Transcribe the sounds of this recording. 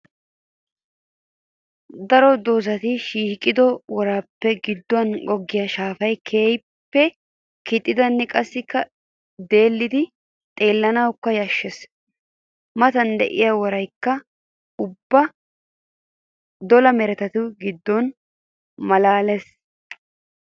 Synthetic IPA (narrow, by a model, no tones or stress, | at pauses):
d̪ɐɾɔd̪oːzɐt̪ɪʃiːkʼːɪd̪ɔwɔɾaːpːɛɡɪd̪ːɔɐnɡɔɡːɪjɐʃaːfɐjkʰe̞ːj | pːɛ | kɪt̪ʼːɪd̪ɐnːɛkʼɐsːɪkːɐ | d̪e̞ːlːɪd̪ɪ | t̪ʼe̞ːlːɐnɐwkːɐjɐʃːɛs | mɐt̪ɐnd̪ɛ̰ʔɪjawɔɾɐjkːɐ | ʊbːɐ | d̪ɔlɐmɛɾɛt̪ɐt̪ʊɡɪd̪ːɔn | mɐlaːlɛs